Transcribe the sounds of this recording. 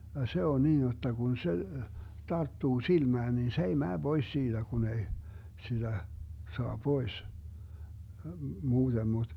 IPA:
jɑ se on niːn jotːɑ kun se tɑrtːuː silmæːn nin se ei mæː b̥ois siːd̥æ ɡ̊un ei sid̥æ soɑ pois muːd̥em mud̥

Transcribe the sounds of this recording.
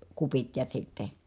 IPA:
kupit jɑ sitːe

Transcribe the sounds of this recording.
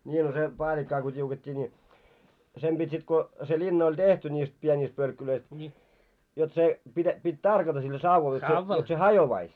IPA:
nʲiː no se pɑːlʲikːɑː ko tʲiuketʲːiː nʲi sem pitʲ sit ko se linːɑ olʲ tehti nʲiːst pienʲiːst pølkːuløist jot se pitæ pitʲ tɑrkɑtɑ silːæ sɑuʋɑl jot se jot se hɑjoʋɑis

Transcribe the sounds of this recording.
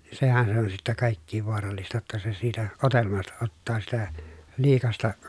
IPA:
sehæn se on sitːæ kɑˑikːiːʋ ʋoɑrɑlːistɑ jotːɑ se siːtæ otelmɑstɑ otːɑː sitæ liːkɑstɑ

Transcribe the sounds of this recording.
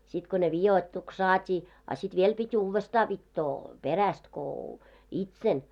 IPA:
sit ko ne ʋijoitːuks sɑːtʲiː ɑ sit ʋiel pitʲ uːʋːestɑː ʋitːoː peræst ko itsel

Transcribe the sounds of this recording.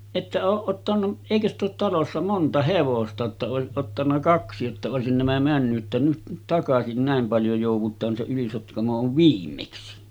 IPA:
etːæ oːʔ ʔotːɑnu eˑikø st oːt tɑlosːɑ montɑ heʋostɑ jotːɑ oˑesiʔ ʔotːɑnːɑ kɑksi jotːɑ oˑesin næmæ mænːyʔ ʔetːæ nyt nyt tɑkɑsin næˑem pɑljo joˑuʋˑutˑɑːn se ylisotkɑmo oʋ ʋiːmːeksi

